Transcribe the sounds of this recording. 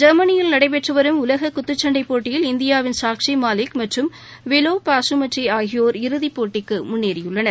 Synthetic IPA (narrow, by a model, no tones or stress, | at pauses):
d͡ʒɐɾmɐnɪjɪlnɐɽɐɪp̬ɛʈrɯʋɐɾɯmʊlɐɣɐkːʊt̪ːɯt͡ʃːɐɳɖɐɪpːoːʈːɪjɪlɪnd̪ɪjaːʋɪnsaːkʂimaːlɪkmɐʈrɯm | ʋɛloːpaːsɯmɐʈriaːɣɪjoːɾɪɾɯðipːoːʈːɪkːɯmʊnːeːɾɪjɯɭːɐnɐɾ